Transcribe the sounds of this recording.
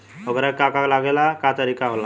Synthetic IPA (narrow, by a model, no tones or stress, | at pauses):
oɡɾakakaklaɡelakat̪əɾikaɦola